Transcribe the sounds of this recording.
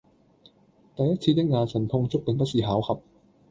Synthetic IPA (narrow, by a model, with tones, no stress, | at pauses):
t̪ɐ˨jɐ˥t̚t͡sʰiː˧jɐ˥t̚ŋaː˧nsɐ˨˩npʰʊ˧ŋt͡sʊ˥k̚pe˨˧ŋpɐ˥t̚siː˨˩ɦaː˨˥wkʰɐ˨˧p̚